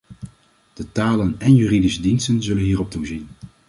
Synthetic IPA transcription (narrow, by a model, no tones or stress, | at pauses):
d̥ətaːlənɛnjyridisədinstənzɵlənɦiːɾɔp̚tuzin